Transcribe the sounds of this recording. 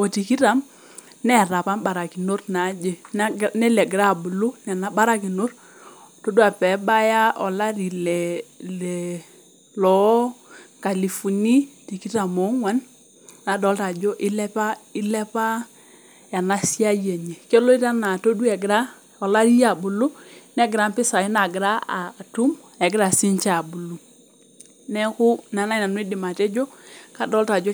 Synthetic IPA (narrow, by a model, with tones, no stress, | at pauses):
o˨ti˨ki˦ɾa˨˦m | nɛ˦˨ɾa˨pa˦mba˨ɾa˨ki˨no˦rna˨˦d͡ʒe˨˦nɛ˦lɛ˨ɡɾa˦˨bʊ˨lʊ˦nɛ˨na˨˦ba˦ɾa˦ki˨no˦r | to˦du˦a˨pɛ˨˦ba˦ja˦ʔɔ˨la˦ɾi˨lɛ˨lɛ˨ | lɔ˨˦ka˨li˨fu˨ni˦ti˨ki˦ɾa˨mo˨˦ŋwa˨n | na˨dɔ˨˦lta˨d͡ʒɔ˦ʔɪ˦lɛ˦pa˦ɪ˦lɛ˦pa˦ | a˨na˦si˦a˦je˨ɲe˨ke˦lo˦i˦ta˦na˨to˦du˦ɛ˨ɡɪ˨ɾa˦ | ɔ˨la˦ɾi˦ja˨bu˨lu˦nɛ˦ɡɪ˨ɾa˨˦mpɪ˦sa˨ji˦na˨ɡɪ˨ɾa˦a˨tu˦m | ɛ˨ɡɪ˦ɾa˨si˦ɲt͡ʃa˨bu˨lu˨ | nɛ˦kʊ˦na˨na˦na˨nwi˦dɪ˨ma˨tɛ˦d͡ʒo˦ka˦˨dɔ˦lta˨d͡ʒo˦